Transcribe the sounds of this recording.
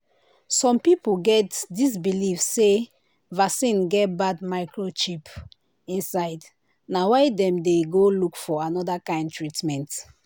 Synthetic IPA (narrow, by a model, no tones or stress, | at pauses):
sɔ̃mpipoɡɛtdis̬bilifse | vasĩnɡɛt̚badmaɪkɹot͡ʃip | ĩnsaɪd | nawaɪdɛ̃mdeɡolukfɔanɔdakãɪ̃ndtɹitmɛ̃nt